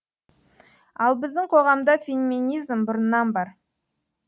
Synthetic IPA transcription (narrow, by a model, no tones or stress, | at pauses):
ɑlˠbɪzd̪ɪɴqʰo̞ʁɑmd̪ɑfʲenmʲinijzmbʊɾnːɑnbɑɾ